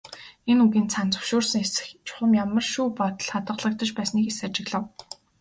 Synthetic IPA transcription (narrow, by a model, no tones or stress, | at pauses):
enuɣiːnt͡sʰant͡sɵ̥wʃʊːrsə̆ŋesɘ̥̆xt͡ɕʰʊ̥χə̆mjamə̆rʃuːpɔt̪ɞ̆ɮχat̪ə̆ɮə̆k̚t̪ə̆t͡ɕpæːsniːkesat͡ɕɪ̆ɣɮə̆w